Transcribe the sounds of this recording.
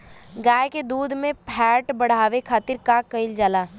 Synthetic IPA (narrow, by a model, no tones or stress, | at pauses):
ɡaːjked̪uːd̪ʱmẽpʰɛːʈbɐɽ̤aːʋekʰaːt̪ɪɾkakɐɪld͡ʒaːlaː